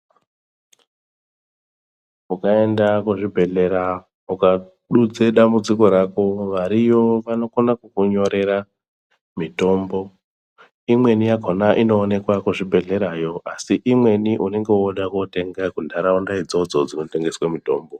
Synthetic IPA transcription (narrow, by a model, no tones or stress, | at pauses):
ukae̞ndakuʐibʱe̞ɮe̞ɾa | uka | ɗud͡zeɗambud͡ziko̞ɾako̞ʋaɾijo̞ʋano̞konakukuɲo̞ɾe̞ɾa | mito̞mbo̞ | imwe̞nijakonaʔino̞ːne̞kwakuʐibʱe̞ɮe̞ɾajo̞ʔasiʔimwe̞niʔune̞ŋɡe̞woɗakote̞ŋɡakundʱaɾaundaid͡zo̞d͡zod͡zino̞te̞ŋɡe̞swemito̞ːmbo̞